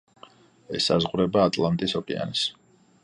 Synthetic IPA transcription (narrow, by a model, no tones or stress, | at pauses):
ɛsːazʁɾɛbaːt̪ʼlˠant̪ʼisɔkʼɛa̰ns